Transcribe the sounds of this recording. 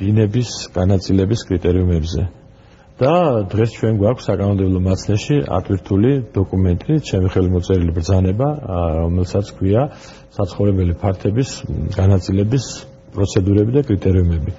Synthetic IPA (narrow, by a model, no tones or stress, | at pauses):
binɛbisɡ̥anat̪sʼilɛbiskʼɾit̪ʼɛɾiumɛbzɛ | d̪̥ad̪ʁɛst͡ʃʰwɛnɡwakʰssakʼanɔmd̪ɛblˠɔmat̪sʰnɛʃia̰t̪ʼwiɾt̪ʰulid̪̥ɔkʼumɛnt̪ʼit͡ʃʰɛmiχɛlimɔt̪sʼɛɾilibɾd̪zanɛbaɾɔmɛlˠsat̪sʰkʰwia | sat̪sʰχɔvɾɛbɛlipʰaɾt̪ʰɛbisɡanat̪sʼilɛbis | pʼɾɔt̪sʰɛd̪uɾɛbid̪akʼɾit̪ʼɛɾiumɛbi